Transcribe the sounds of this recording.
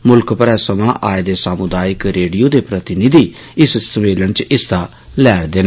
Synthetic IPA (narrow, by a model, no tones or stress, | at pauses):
mʊlkpəɾɛːsəmãːʔaːed̪eːsaːmʊd̪aːɪkɾeːɖijoːd̪eːpɾət̪ɪnɪd̪iː | ɪssəmeːlənt͡ʃɪsaː | lɛːɾd̪eːna